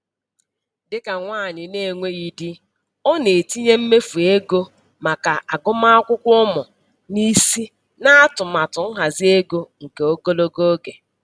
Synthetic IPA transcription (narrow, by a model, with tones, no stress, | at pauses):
dɪ˦ka˨ŋʷaː˦˨ɲɪ˨ne˨ŋʷe˦ɣi˨di˦ | ɔ˦ne˨ti˦ɲe˦m̩˦me˦fu˨e˦ɡo˦ | ma˨ka˨a˨ɡʊ˦ma˦a˦kʷʊ˦kʷɔ˦mʊ˨ | ni˦si˦ | na˦a˦tʊ˨ma˨tʊ˨ŋ̩˦ɦa˨zɪ˦e˦ɡo˦ŋ̩˨ke˨o˦ɡo˦lo˦ɡo˦ɡe˨